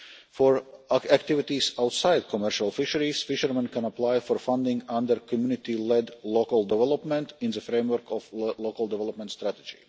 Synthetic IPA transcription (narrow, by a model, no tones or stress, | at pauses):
fɔɹækt̪ivit̪isawt̪saɪd̪̚kʰɔmɛɾʃalˠfɪʃəɾisfɪʃəɾmãnkæ̃naplajfɔɾfãnd̪ɪ̃ŋɡãnd̪əɾkʰɔmjunɪt̪ilɛd̪lokəlˠd̪ɛvɛlˠɔpmɛ̃nt̪ĩnzəfɾẽɪmwəɾkɔflokalˠd̪ɛvɛlɔpmɛ̃nt̪st̪ɾæt̪e̥d͡ʒḭ